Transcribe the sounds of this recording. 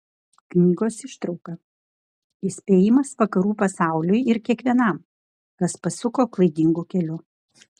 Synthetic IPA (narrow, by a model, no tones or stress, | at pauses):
knʲiːɡoːsɪʃt̪ɾɒʊkɐ | isʲpʲeːjɪmɐsʋɐkɐɾuːpɐsɑˑʊlʲʊjɪɾkʲiɛkʋʲiɛnɐm | kɐspɐsʊkoːklˠɐɪd̪ʲɪŋɡukʲɛlʲʊ